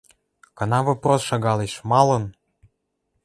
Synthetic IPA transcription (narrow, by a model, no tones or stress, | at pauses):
kɤ̆nɑvoprosʃɑɣɑleʃmɑlɤ̆n